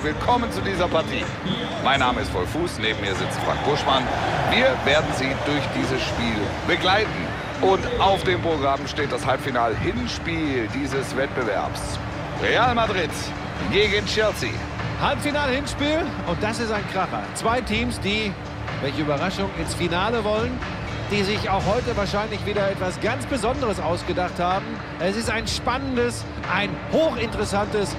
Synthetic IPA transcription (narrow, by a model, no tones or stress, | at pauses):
vɪlkʰɔmənt͡sudiːzɐpʰaɐtʰḭː | maɪnːaːməɪstfɔlfuːsneːbm̩miːɐzɪt͡stfa̰ŋk̚b̥ʊʃmanviːɐveːɐdn̩ziːdʊɐçd̥iːzəsʃpiːl | b̥əɡlaɪtn̩ | ʔʊntʔaʊfd̥eːmpʁ̥oɡʁamʃteːt̚d̥ashalpfinaːlhɪnʃpiːldiːzəsv̥ɛt̚b̥əvɛ̰ɐps | ʁeaːlmadʁɪt | ɡeːɡənt͡ʃɛɐsḭ | halpfinaːləhɪnʃpiːl | ʊnt̚d̥asɪstaɪnkʁ̥aχɐ̰t͡sv̥aɪtʰiːmsd̥iː | vɛlçəyːbɐʁaʃʊŋɪnsfinaːləvɔlən | d̥iːzɪçaʊxhɔʏtəvaːɐʃaɪnlɪçv̥iːdɐɛtv̥asɡ̥ant͡sb̥əzɔndəʁəsaʊsɡ̥ədaχthaːbm̩ | ɛsɪstaɪnʃpanəndəs | ʔaɪnhoːxɪntəʁəsantəs